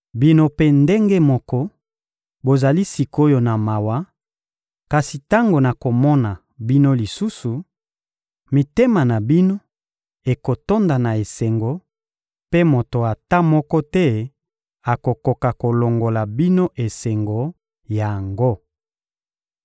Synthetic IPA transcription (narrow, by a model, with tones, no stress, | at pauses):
bi˦no˦pe˦nde˦ŋɡe˦mɔ˦kɔ˦ | bo˨za˨li˦si˨ko˦jo˨na˨ma˨wa˦ | ka˨si˨ta˦ŋɡo˨na˨ko˨mɔ˦na˨ | bi˦no˦li˨su˦su˨ | mi˨te˦ma˨na˨bi˦no˦ | e˨ko˨to˦nda˨na˨e˨se˨ŋɡo˨˦ | pe˦mo˨to˨a˨ta˦mɔ˦kɔ˦tɛ˦ | a˨ko˨ko˨ka˨ko˨lo˨ŋɡo˨la˨bi˦no˦ʔe˨se˨ŋɡo˨ | ja˨ŋɡo˦